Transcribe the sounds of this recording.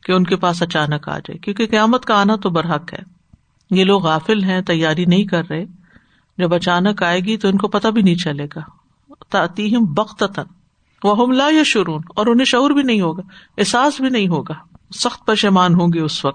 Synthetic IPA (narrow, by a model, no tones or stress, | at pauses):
keʊnkepaːs̬ɐt͡ʃaːnəka̰ːd͡ʒa̰ːḛkjõːkeqɐjaːmət̪kaaːnat̪obɐɾɦɐkɦɛ̰ː | jeloːɡɣaːfɪlɦɛ̃t̪ɐjːaːɾinɐɦĩkɐɾːɐɦẽ | d͡ʒɐbɐt͡ʃaːnəkaːeːɡit̪oɪnkopɐt̪abʱinɐɦĩt͡ʃɐleːɡaː | t̪ɐːt̪iːɦɪmbɐqt̪ɐt̪ən | ʋɐɦʊmlaːjɐʃʊɾuːnɔːɾʊnɦẽʃɐuːɾbʱinɐɦĩɦoːɡaːɪsaːsbʱinɐɦĩɦoːɡaːsɐxt̪̚pɐɾʃeːmaːnɦõːɡeʊsʋɐk̚t̪